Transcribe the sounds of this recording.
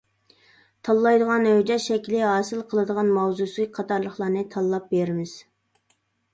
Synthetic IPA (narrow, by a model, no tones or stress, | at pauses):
t̪ʰɑlˠːɑjd̪əʁɑnød͡ʒɛʃɛkʲlɪɦɑːsɨlˠqʰəlˠɨd̪əʁɑnmɑwzusɨɨk̚ʲqʰɑt̪ʰɑɾlˠəχlˠɑɾnɨt̪ʰɑlˠːɑp̚beɾɪmɪz̥